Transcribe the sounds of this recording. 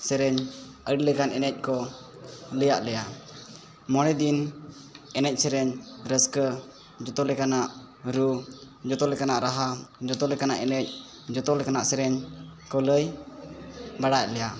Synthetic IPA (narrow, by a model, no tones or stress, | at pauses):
sɛɾɛɲəɖləkanɛnɛc̚ˀkɔ | ləjaʔlɛja | mɔñɛd̪in | ɛnɛc̚ˀsɛɾɛɲɾəskə | d͡ʒɔt̪ɔlɛkanaʔ | ɾu | d͡ʒɔt̪ɔlɛjkanaʔɾaɦad͡ʒɔt̪ɔlɛjkanaʔɛnɛc̚ | d͡ʒɔt̪ɔlɛkanaʔsɛɾɛɲkɔləj | baɽac̚lɛja